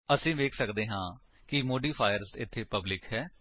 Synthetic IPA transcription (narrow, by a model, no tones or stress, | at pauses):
əsĩːʋeːkʰsəkd̪eːɦãː | kɪmoːɖiːpʰaːjəɾzɪt̪ʰːeːpəblɪkɦɛː